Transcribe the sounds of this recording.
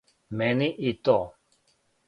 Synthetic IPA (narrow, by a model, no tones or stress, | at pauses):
mɛniʔit̪ɔ